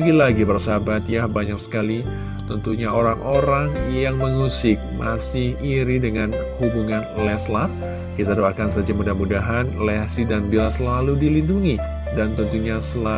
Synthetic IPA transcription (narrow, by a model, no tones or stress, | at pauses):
ɡilaɡibərsabat̪̚jahbaɲak̚sə̥kali | t̪ənt̪uɲaoɾaŋʔoɾaŋjaŋməŋusɪk̚mʔa̰sɪhiɾidəŋanhubuŋanlɛslat̪̚ | kit̪adoakansad͡ʒamudahmudaɦanlɛsidanbilasəlaludilinduŋi | dant̪ənt̪uɲasəla